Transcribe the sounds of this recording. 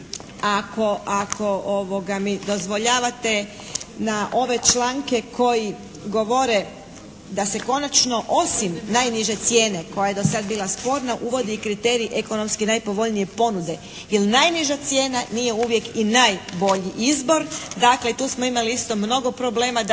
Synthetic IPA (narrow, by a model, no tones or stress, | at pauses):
ako̞akʰo̞ʔoʋo̞ɡamid̪o̞zʋoʎaːʋat̪e̞ | naʔo̞ʋe̞t͡ʃlˠaːŋke̞kʰo̞ji | ɡo̞ʋo̞ɾe̞ | d̪ase̞ko̞nat͡ʃno̞ʔo̞simnajniʒe̞t̪sje̞ːne̞ko̞jaje̞d̪o̞sad̪biːlˠaspo̞ːɾnaʔuʋo̞d̪iikɾit̪e̞ːɾiʔekono̞mskinajpo̞ʋo̞ʎnije̞po̞nud̪e̞ | jelnajniʒat̪sje̞ːnanije̞uʋje̞kinajbo̞ʎiʔizbo̞ɾd̪akle̞it̪uːsmo̞imaliist̪o̞mno̞ɡo̞pɾo̞ble̞ːma